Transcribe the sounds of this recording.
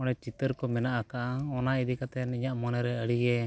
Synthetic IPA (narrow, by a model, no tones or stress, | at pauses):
ɔnɛt͡ʃit̪əɾkɔmɛnaʔakaʔaɔnaid̪ikat̪ɛniɲaʔmɔnɛɾɛəɽiɡɛ